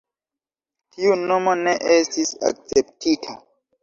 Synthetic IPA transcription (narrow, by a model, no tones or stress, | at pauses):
tiuno̞moneʔestisa̰k̚t͡septʰitʰa